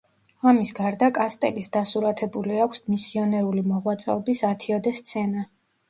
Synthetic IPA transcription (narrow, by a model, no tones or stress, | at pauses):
amisɡaɾd̪akʼast̪ʼɛ̰lisd̪asuɾat̪ʰɛbuliakʰʷsmisiɔnɛɾulimɔʁwat̪sʼɛ̰ɔbisat̪ʰiɔd̪ɛst̪sʰɛna